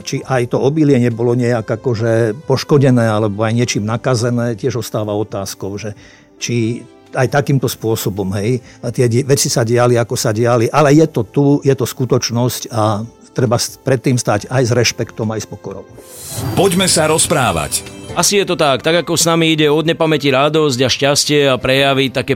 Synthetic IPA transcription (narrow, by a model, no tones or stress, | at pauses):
t͡ʃiʔajt̪ɔɔbilɪɛɲɛbɔlɔɲɛjaɡakɔʒɛpɔʃkɔɟɛnɛːalɛbɔajɲɪɛt͡ʃiːmnakazɛnɛːcɪɛʒɔst̪aːʋaɔt̪aːskɔʊʒɛ | t͡ʃi | ajt̪akiːmt̪ɔspʊɔsɔbɔmɦɛjt̪ɪɛʋɛt͡sisaɟɪaliakɔsaɟɪaliʔalɛjɛt̪ɔt̪ujɛt̪ɔskut̪ɔt͡ʃnɔsca | t̪ɾɛbaspɾɛt̪ːiːmst̪aːɟajzɾɛʃpɛkt̪ɔmajspɔkɔɾɔ̰ʊpɔɟmɛsaɾɔspɾa̰ːʋa̰casijɛt̪ɔt̪akt̪aɡakɔsnamiiɟɛɔd̪ɲɛpamɛciɾad̪ɔzɟaʃcascɪɛapɾɛjaʋit̪akɛː